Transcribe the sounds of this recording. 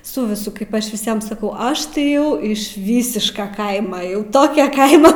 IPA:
ˈsʊ ʋʲɪˈsʊ kɐɪp ˈɐʃ ʋʲɪˈsʲiɛm sɐˈkɐʊ ˈɐʃ tɐɪ ˈjɛʊ ɪʃ ˈʋʲiːsʲɪʃkɐ ˈkɐɪmɐ jɛʊ ˈtoːkʲɛ ˈkɐɪmɐ

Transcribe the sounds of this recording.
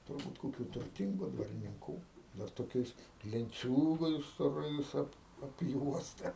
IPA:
tʊrˈbuːt koːˈkʲuː tʊrʲˈtʲɪŋɡʊ dʋɐrʲɪnʲɪŋˈkuː dɐr toːˈkʲɛɪs lʲɛnʲˈt͡sʲuːɡɐɪs stoːˈrɐɪs ˈɐp ɐpʲˈjuɔstɐ

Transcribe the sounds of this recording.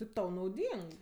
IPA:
tʲɪp ˈtɐʊ nɐʊˈdʲiːŋk

